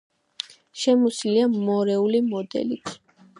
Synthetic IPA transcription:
ʃɛmusliamːɔɾɛulimɔd̪ɛ̰lit̪ʰ

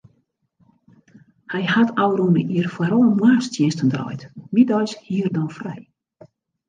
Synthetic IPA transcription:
hɛjhatʰawrunə̰ʔiərfwaɾoənmwaːstjɪnstəndrɔ̰jtmidɔjshiərdɔnfrɛ̰j

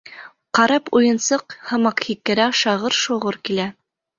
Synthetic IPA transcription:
qɑɾɑpujɤ̆nsɤqhɤ̆mɑqhikːɘ̆ɾæʃɑʁɤɾʃŏʁɤɾkilæ

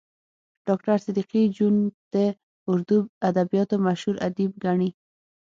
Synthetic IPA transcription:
ɖ̥ɑk̚ʈaɾsɪd̪iqid͡ʒund̪̥ə | ʊɾd̪uad̪abijɑt̪omaʃhuɾad̪ib̚ɡaɳi

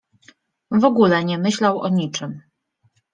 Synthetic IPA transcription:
vɔɡulɛɲɛmɘɕlawʔɔɲit͡ʂɘm

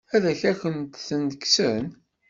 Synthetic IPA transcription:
æðæçæçənt̪θənd̪əkːsən

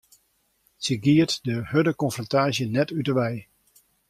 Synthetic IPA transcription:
səɡiətdəhødəkɔnfrɔntaːzjənɛtytəɹʋɛj

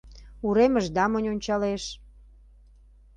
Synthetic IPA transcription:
uɾeməʒd̪ɑmənʲonʲt͡ɕɑleʃ

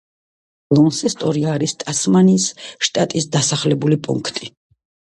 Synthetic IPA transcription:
lˠɔnsɛst̪ʼɔɾiaːɾist̪ʼasmanisʃt̪ʼat̪ʼisd̪asaχlɛbulipʼṵŋkʰt̪ʼi

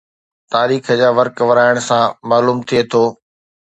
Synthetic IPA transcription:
t̪aːɾiːxəd͡ʑaːʋɐɾkʋɐɾaːɪɽ̃sãmaːluːmt̪ʰiet̪ʰoː

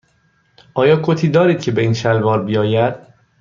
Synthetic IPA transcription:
ʔɒːjɒːkʰot̪ʰiːd̪ɒːɾiːd̪̚cʰe̞be̞iːnʃælvɒːɾbijɒːjæd̪̥

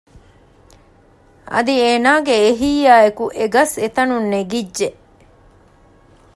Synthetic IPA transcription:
ʔɐ̰d̪ieːnaːɡeːɦijaːekuʔeɡɐset̪ɐnunːeɡidʒːe

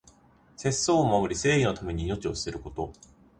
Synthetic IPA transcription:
se̞sːoːmobɯ̟ɾʲise̞ːino̞t̪ame̞ɲ̟iːno̞t͡ɕio̞sɨ̥se̞ɾɯ̟ko̞t̪o̞

